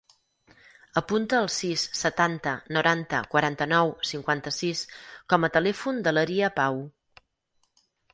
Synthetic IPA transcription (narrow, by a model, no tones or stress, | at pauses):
əpunt̪əːlˠsisːət̪ant̪ənuɾant̪ə̰kwəɾant̪ənɔwsiŋkwant̪əsiskɔmət̪əlɛfund̪ələɾiəpaw